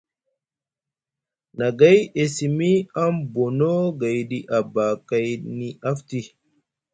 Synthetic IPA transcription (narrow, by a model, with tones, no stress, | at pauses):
na˨ɡa˦je˨si˨mi˦a˦mbo˨no˦ɡa˨jɗi˦ʔa˨ba˨ka˦jni˦ʔa˦fti˦